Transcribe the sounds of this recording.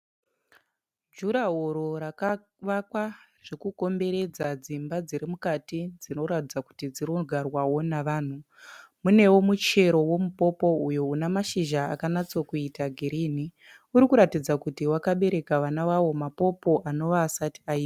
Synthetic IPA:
d͡ʒuɾaɦoɾoɾaka | ʋakwaʐ̥ekuko̞mbe̞ɾe̞d͡zad͡zimbad͡ziɾimukatid͡zino̞ɾatid͡zaku̥tid͡ziroɡʱarwawo̞naʋaːn̤u | mune̞wo̞mut͡ʃe̞ɾo̞wo̞mupo̞po̞ujounamaʃiʒa̰ːkanat͡sokuitaɡʱiɾini | uɾikuɾatid͡zakutiwakaɓe̞ɾe̞kaʋanaʋawo̞mapo̞po̞ʔano̞ʋaːsati̥aiːa

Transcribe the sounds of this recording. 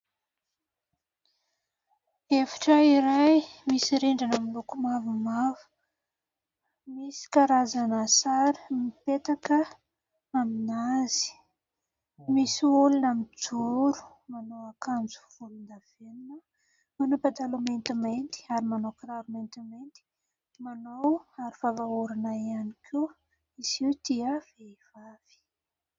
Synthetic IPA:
efi̥ʈ͡ʂəiɾajmisiɾeɳɖ͡ʐanamilukumavumavu̥ | misi̥kaɾazanasaɾi̥mipet̪akə | aminazi̥ | misiulunamid͡zuɾu̥ | manowakand͡zu̥v̥ulund̪av̥eninə | manupad̪alument̪imajnt̪i̥aɾimanowkɾaɾumajnt̪imajnt̪i̥ | manowaɾifavauɾanaianikʰiw | iziud̪̥iəv̥eiv̥av̥i̥

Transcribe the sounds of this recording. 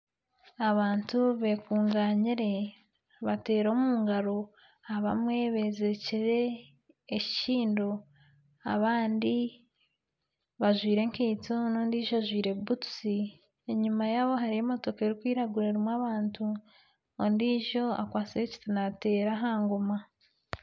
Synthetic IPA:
aβaːntuβe̞kuːŋɡaːɲiɾe̞ | βate̞ːɾomuːŋɡaɾo̞ | aβa̰mŋe̞βe̞ze̞ciɾe̞ː | ciciːndo | a̰βaːndi | βaʒwiːɾe̞ŋkiːt͡sonoːndiːʒoaʒwiːɾe̞ubutu̥si | eɲumajaβo̞ɦaɾijemo̞to̞kaeɾikwiːɾaɡuɾeɾimwaβaːntʰu | ondiːʒo̞a̰kwaːt͡siɾeci̥tinate̞ːɾaɦaːŋɡoma

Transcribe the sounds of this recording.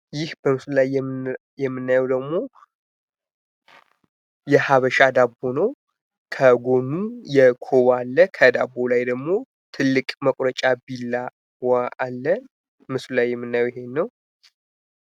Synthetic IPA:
jɪhbəmɨslulaj | jɛmːɨnːajɛwd̪əɡmo̞ | jɛhaβəʃad̪abo̞nəw | kʰəɡo̞nːujɛkʰowalːəkʰəd̪abːolajd̪əɡmo̞ | t̪ʰɨlːɨkʼməkʼɾət͡ʃʼabilːa | waalːə | mɨslulajːɛmːɨnːajwjɦe̞nːəw

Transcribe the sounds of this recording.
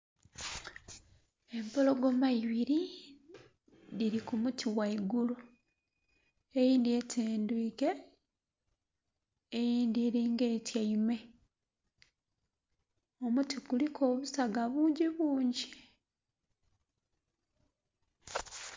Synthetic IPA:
e̞mpolo̞ɡo̞maiβiɾi | ðiɾikumutʰiwaiɡulu | ejiːndie̞tʰeːndwiːke̞ | jiːndeɾiːŋɡeːtjaime̞ | omutiɡulikʰo̞ːβusaɡaβuːɲɟiβuːɲɟi

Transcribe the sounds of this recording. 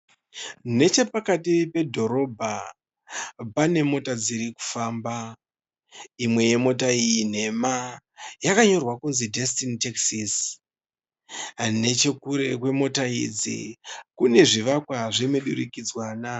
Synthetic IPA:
ne̞t͡ʃe̞pakatipe̞dʱo̞ɾo̞bʱa | pane̞mo̞tad͡ziɾiku̥faːmba | imwe̞je̞mo̞taijin̤e̞majakaɲo̞rwakunzidʱestiniteksis | ne̞t͡ʃe̞kuɾe̞kwe̞mo̞taḭd͡zḭkune̞ʐiʋakwaʐimeɗṵɾikid͡zwaːna

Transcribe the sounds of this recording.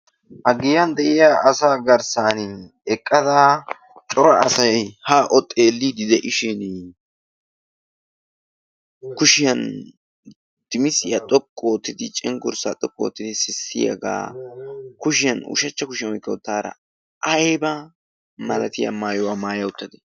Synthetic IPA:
hɐɡɪjɐnd̪ɛʔɪjaʔɐsaːɡɐɾsan | ɛkʼːɐd̪a | t͡ʃʼɔɾɐʔːsɐjhaʔɔt̪ʼːeːlːid̪ɪd̪ɛʔɪʃɪn | kʊʃɪjɐn | d̪̥ɪmɪsɪjɐt̪ʼɔkʼːoːt̪ːɪd̪ɪt͡ʃʼɛŋɡʊɾsat̪ʼɔkʼːo̰ːt̪ːɪd̪ɪsɪsːɪ̰jɐ̰ɡa̰ː | kʊʃ̬ɪjɐnʊ̰ʃɐt͡ʃːɐkʊʃɪjɐwɔjkːɐʊt̪ːaːɾɐ̰ | ʔɐjbɐ | mɐlɐt̪ɪjɐ̰maːjɔwaːmaːjɐʊt̪ːɐd̪ɛ̥

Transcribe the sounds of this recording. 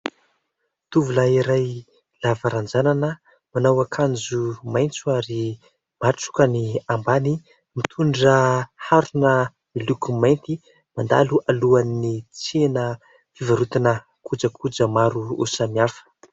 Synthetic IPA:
t̪uvulaiɾaj | lavaɾand͡zananə | manawakʰand͡zumajnt͡suaɾi | maʈ͡ʂu̥kəniambani | mit̪ʰuɳɖ͡ʐəhaɾunə | milukumajnt̪i | mand̪a̰luʔaluanːit͡senə | fivaɾut̪inə | kud͡zəkʰud͡zəmaɾuṵsamiafə̥

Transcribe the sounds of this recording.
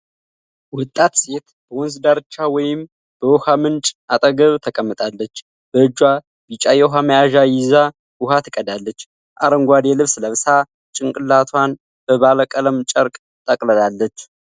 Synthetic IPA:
wɔt̪ʼːat̪se̞t̪ | b̥əwɔnsd̪aɾɨt͡ʃːawɔjɪm | b̥əwɔhamɨnt͡ʃʼʔat̪ʼəɡəβt̪ʰəkʼəmːɨt̪ʼalːət͡ʃː | b̥əɨd͡ʒwa | b̥it͡ʃʼajɛɦaməjaʒajɪza | wʊɦat̪ʰɨkʼədalːət͡ʃː | ʔaɾəŋɡʷad̪jɛlɨβsləβsa | t͡ʃʼɪŋkʼɨlːat̪ʰwan | b̥əβaləkʼələmt͡ʃʼəɾkʼ | t̪ʼəkʼləlalːət͡ʃː

